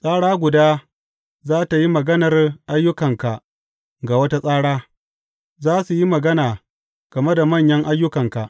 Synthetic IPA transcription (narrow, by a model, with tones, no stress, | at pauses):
sʼaː˦ɽaː˦ɡʷʊ˨daː˦ | zaː˦ta˨ji˦mɐ˨ɡɐ˦nɐ˨rʔa˦jːʊ˦kɐ˨ŋka˨ | ɡa˨wɐ˦ta˦sʼaː˦ɽaː˦ | zaː˦su˨ji˦mɐ˨ɡɐ˦naː˨ | ɡ̥ɐ˨me˦da˨mɐ˦˨ɲjɐ˦ŋʔa˦jːʊ˦kɐ˨ŋka˨ʔ